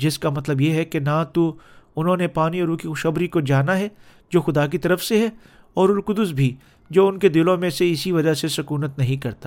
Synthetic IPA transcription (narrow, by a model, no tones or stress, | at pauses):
d͡ʒɪskamɐt̪ləbjeɦɛkenat̪uʊnɦõːnepaːniɔːɾuːkixʊʃɐbɾikod͡ʒaːnaɦɛ | d͡ʒoːxʊd̪aːk̬it̪ɐɾəfseɦɛ | ɔːɾʊlkʊd̪ʊs̬bʱi | d͡ʒoːʊnked̪ɪlõmẽseɪsiʋɐd͡ʒasesʊkuːnət̪nɐɦĩkɐɾt̪aː